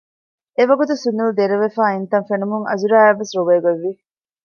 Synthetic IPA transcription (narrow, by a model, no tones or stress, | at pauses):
eʋɐɡut̪usunːuld̪eɾeʋefæːint̪ɐnfenumuŋɐ̰zuɾæːæʋːesɾuʋeːɡɐʋːi